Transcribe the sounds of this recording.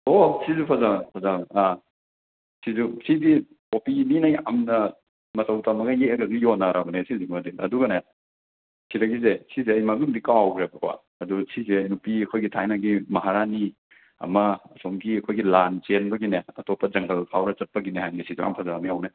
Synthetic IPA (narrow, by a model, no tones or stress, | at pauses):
osizupʰazapʰazaa | sizusidi | kopininɐja̰mnɐ | mɐtɐwtamɐɡɐjeɡɐɡijonaɾʔabɐnesizumadiɐ̰duɡɐne | siɾɐɡizesizeɐjmaɡuŋdikawwɡɾebɐkʰa̰ | ɐdusizenupiɐkʰojɡitʰajnaɡimɐɦaɾani | ɐ̰mɐːsomɡiɐkʰojɡilant͡ʃenbɐɡineɐtɔpːɐd͡ʒɐŋɡɐlpʰawɾɐt͡ʃɐt̚pɐɡinehajnisizua̰mpʰazabɐmiawne